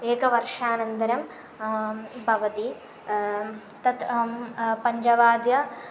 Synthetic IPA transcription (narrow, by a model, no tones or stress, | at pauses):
eːkɐʋɐrʂaːnɐnt̪ɐɾɐm | bʱɐʋɐt̪i | t̪ɐt̪ | pɐɲd͡ʒɐʋaːd̪jɐ